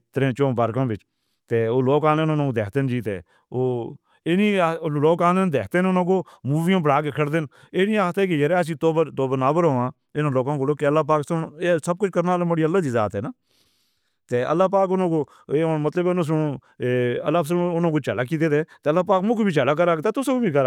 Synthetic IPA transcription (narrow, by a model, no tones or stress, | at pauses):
t̪əɾẽːt͡ʃõːbəɾkãːbɪt͡ʃ | t̪eːoːloːkaːlenʊnãːoːd̪eːkt̪end͡ʒiːt̪ḛː | oː | eniːloːkaːleːnd̪eːkʰt̪enʊnãːkoːmuːʋijãːbəɽaːk̬eːkʰəɽd̪en | eːnĩːaːt̪ɛːk̬ejəɾɛːəs̬ĩːt̪oːbət̪oːbənaːbəɾɦoːãː | ɪnãːloːkãːkoːloːkːəlːaːp̬aːksʊnesəb̚kʊt͡ʃʰkəɾnaːlẽməɽiːəlːaːd̪iːza̰ːt̪ɦɛːnaː | t̪eːʔə̰lːaːp̬aːk̬ʊnãːkoː | emət̪ləbnãs̬ʊnõː | əlːaːs̬ənʊnãːkoːt͡ʃəlaːk̬iːt̪eːt̪eːt̪eːəlːaːpaːkmʊ̃koːbʱiːt͡ʃəlaːk̬əɾaːkt̪aːt̪ʊsẽːkoːbiːkəɾaː